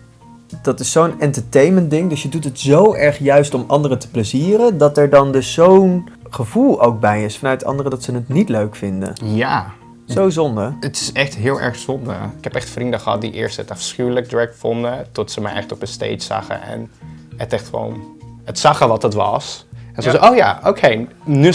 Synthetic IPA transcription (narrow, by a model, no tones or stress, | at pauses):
d̥ɑtɪsːownɛntəɹtejməndɪŋdɵsjədutɦətz̥owʔɛɹχjœɥstɔmɑ̰ndərətə̥pləziːrədɑtɛɹdɑndɵsːown | χəvulˠowk̚bɛjɪsfɑnœɥtɑ̰ndərədɑtsənətnitløɥkfɪndə̰jaː | zowzɔndəətɪ̥sɛχtɦɪːlˠɛ̰ɹχsɔndə̰ɪkɛpɛχtfrindəχəɦɑ̰t̚dḭʔɪːɹstəətɑfsχyːlək̚dɹɛkfɔndətɔtsəmɛ̰jʔɛ̰χtɔpənstḛjtsa̰χə̰ɛ̰nətɛχtχəʋo̰wnətsɑχəʋɑtdətʋɑ̰sɛnzəzowja̰ːʔowkʰejny